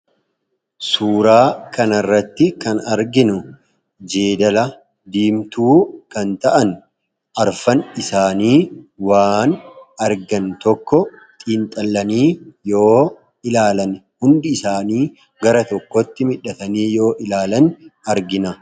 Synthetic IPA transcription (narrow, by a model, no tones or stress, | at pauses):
suːɾaːkɐnɐrːɐt̪ːɪkɐnɐɾɡɪnʊ | d͡ʒeːd̪ɐlɐ | d̪iːmt̪uːkɐnt̪ɐʔɐn | ʔɐɾfɐnɪsaːniːwaːnɐɾɡɐnt̪ɔkːɔ | t̪ʼiːnt̪ʼɐlːɐniːjo̞ː | ɪlaːlɐnhʊnd̪ɪːsaːniː | ɡɐɾɐt̪ɔkːɔt̪ːɪmɪᶑɐt̪ɐniːjo̞ːʔɪlaːlɐnɐɾɡɪnɐ